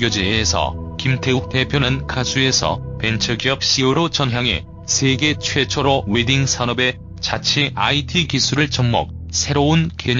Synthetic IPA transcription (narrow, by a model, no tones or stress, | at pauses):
od͡ʑeːsʰʌ̰kimtʰe̞uk̚te̞pʰjonɯnkʰasʰue̞sʰʌ̰pe̞nt͡ɕʰʌɡiʌp̚ɕ͈ioɾot͡ɕʌnɦjaŋe̞̰ | sʰeɡe̞t͡ɕʰwe̞t͡ɕʰoɾowediŋsʰanʌbe̞ | t͡ɕat͡ɕʰiʔaitʰikisʰuɾɯɭt͡ɕʌŋmʌ̰k̚sʰe̞ɾounkeɲ